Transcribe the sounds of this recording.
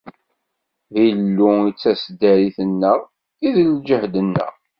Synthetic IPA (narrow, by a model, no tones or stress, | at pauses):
ðilːuit͡sːæsd̪æɾiθənːəʁ | iðld͡ʒəhd̪ənːə̰ʁ